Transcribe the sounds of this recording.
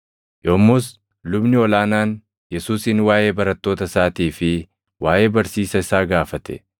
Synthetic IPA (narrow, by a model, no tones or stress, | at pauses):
joːmːʊs | lʊbnɪɔlaːnaːn | jɛsuːsɪnwaːjʔe̞ːbɐɾɐt̪ːo̞ːt̪ɐsaːt̪iːfɪ | waːje̞ːbɐɾsiːsɐɪsaːɡaːfɐt̪ɛ̰